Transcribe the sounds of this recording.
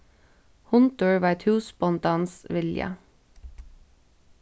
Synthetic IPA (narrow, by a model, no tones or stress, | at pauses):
hʊnt̪ʊɹʋɑːɛt̪ʰhʉːspɔnt̪ɑːnsʋɪljə̰